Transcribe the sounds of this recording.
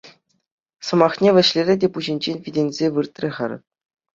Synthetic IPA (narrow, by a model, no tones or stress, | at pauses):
sɤ̆mɑχnʲeʋʲɘ̆ɕlʲeɾʲɘ̆dʲepuʑinʲd͡ʑenʲvʲidʲenʲzʲeʋɯrt̪ʲrʲeʁɘ̰̆rʲ